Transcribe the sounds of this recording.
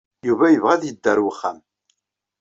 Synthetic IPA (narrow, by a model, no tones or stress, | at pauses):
juvæjəvʁæðjəd̪ːəɾwəχːæ̰m